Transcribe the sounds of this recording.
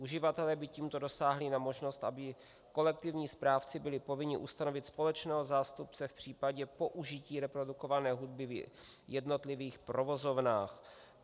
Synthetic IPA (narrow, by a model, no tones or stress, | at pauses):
ʔuʒɪvat̪ɛlɛːbɪciːmt̪o̞do̞saːɦlɪnamo̞ʒno̞st̪ʔa̰bɪ | ko̞lɛk̚t̪ɪvɲiːspɾaːft͡sɪbɪlɪpo̞vɪɲɪʔust̪ano̞vɪt̪spo̞lɛt͡ʃnɛːɦo̞zaːst̪up̚t͡sɛfpr̝̥iːpaɟɛpo̞ʔuʒɪciːɾɛpɾo̞duko̞vanɛːɦud̚bɪvjɛdno̞t̪lɪviːxpɾo̞vo̞zo̞vnaːx